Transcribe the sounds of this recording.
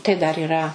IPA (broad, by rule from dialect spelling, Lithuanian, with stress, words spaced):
tɐɪ ˈdɐr iːˈrɐ